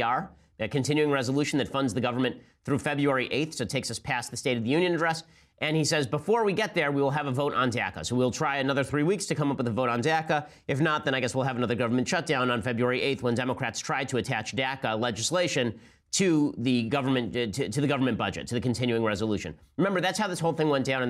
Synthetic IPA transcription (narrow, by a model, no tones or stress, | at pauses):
ɑɹ | ɨkɨ̃ntʰɪ̃njʉɪ̃ŋɹɛzəlʉʃn̩ðɨtfʌ̃ndzðɨɡʌvə˞mɨ̃n | θɹʉfɛbɹʉɛɹiʔeɪtθsoʊtʰeɪksʌspʰæsðɨsteɪɾʌvðɨjʉ̃njɨ̃nɨdɹɛs | ʔɨ̃nisɛzbəfɔɹwiɡɛt̪̚ðə˞wiwəlˠəvəvoʊɾn̩dæ̰kə̰soʊwil̩ˠtʰɹ̥aɪɨnʌðə˞θɹiwikstʰɨkʰʌ̃mʌpwəðəvoʊɾn̩dækə | ɨfnət̪̚ðɨ̃ñaɪɡɛswilˠəvənʌðə˞ɡʌvə˞mɨ̃n̩tʃʌt̚d̥ãʊ̃nə̃nfɛbɹʉɛɹiʔeɪt̪θwə̃ndɛməkʰɹ̥ætstʰɹ̥aɪd̚tʰɨɨtʰæt͡ʃd̥ækəlɛd͡ʒɨsleɪʃɨ̃n | tʰɨðɨɡʌvə˞mɨ̃nʰɨtʰɨðɨɡʌvə˞mɨ̃nb̥ʌd͡ʒɨ̰tʰɨðɨkɨ̃n̩tʰɪ̃njʉɪ̃ŋɹɛzəlʉʃɨ̰̃nɹɨmɛ̃mbə˞ðætshaʊðɪshoʊlˠθɪ̃ŋwɛ̃ntd̥ãʊ̃ñ